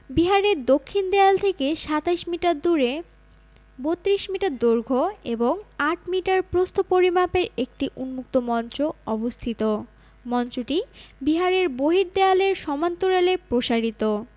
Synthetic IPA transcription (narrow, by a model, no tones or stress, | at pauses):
biɦaɾed̪okʰːind̪ɛalt̪ʰekeʃat̪ajʃmiʈaɾd̪uɾe | bot̪ːɾiʃmiʈaɾd̪uɾɡʱoeboŋaʈ̚ʰmiʈaɾpɾost̪ʰopoɾimapeɾek̚ʈiʔunmuk̚t̪omɔnt͡ɕoɔbost̪ʰit̪o | mɔnt͡ɕoʈibiɦaɾeɾboɦiɾd̪ealeɾʃɔmant̪oɾelepɾoʃaɾit̪o